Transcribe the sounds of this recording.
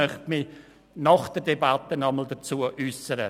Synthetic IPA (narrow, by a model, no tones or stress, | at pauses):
œχtmi | nɑχd̥ədebatənɑməl̩ˠdət͡suəʔysəɾə̰